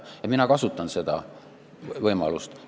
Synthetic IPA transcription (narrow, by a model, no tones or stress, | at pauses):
ɑminɑkɑsut̪ːˑɑnse̞d̪̥ɑ̰ | vɤjmɑ̰lust̪